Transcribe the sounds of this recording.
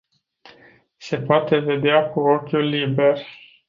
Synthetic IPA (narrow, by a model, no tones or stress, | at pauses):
se̞poat̪e̞ve̞d̪eakuo̞kʲjulːibe̞r